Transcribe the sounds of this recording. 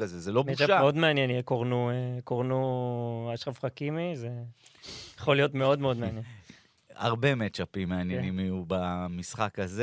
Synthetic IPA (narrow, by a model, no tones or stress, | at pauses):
azezelomet͡ʃaameo̞d̪meanjenjekoʁnuekoʁnuaʃχafχakimize | jaχolijo̞t̪meo̞d̪meo̞d̪meanje | a̰ʁbe̞met͡ʃapimːeanjenimiubamisχakaze